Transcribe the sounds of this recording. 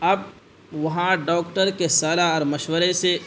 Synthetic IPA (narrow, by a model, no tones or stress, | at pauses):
ɐb̚ | ʋɐɦãɖɔːkʈəɾkesaːlaɔːɾmɐʃwəɾese